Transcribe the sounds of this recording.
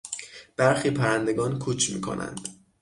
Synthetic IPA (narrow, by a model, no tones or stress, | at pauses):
b̥æɾxiːpʰæɾænd̪e̞ɡɒːnkʰuːt͡ʃʰmiːkʰo̞̰nʔæ̰nd̪̥